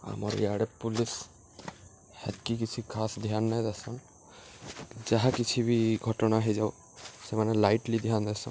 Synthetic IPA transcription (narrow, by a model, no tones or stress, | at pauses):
a̰mɔ̰ɹḭjaɽɛpulis | hɛ̰t̪̚kik̬it͡ʃʰikʰasd̪ijɦanːajd̪asɔn | zaɦakit͡ʃʰibiɡʱɔʈɔnaɦejzaʊ | sɛmanɛlajʈlid̪iɦand̪asɔ̰n